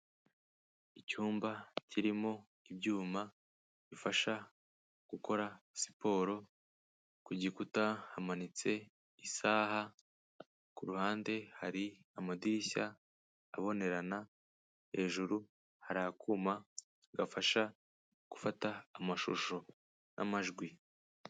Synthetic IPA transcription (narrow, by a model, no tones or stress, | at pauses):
icuːmbacʰiɾimo̞ | ibɟuːma | βifaʃa | ɡ̥uko̞ɾasi̥po̞ːɾo̞ | kuɟikutahamanit͡se̞ | isaːha | kuɾuhaːnde̞haɾiamadiɾiçaː | βo̞ne̞ɾana | he̞ːʒuɾu | haɾaːkʰuːma | ɡafaʃa | ɡ̥u̥fataːmaʃo̰ʃo̞ | nʔa̰maʒɡwi